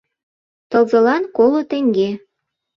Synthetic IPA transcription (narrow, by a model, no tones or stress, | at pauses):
t̪ɤ̆lzɤ̆lɑnkolŏt̪ĕŋɡe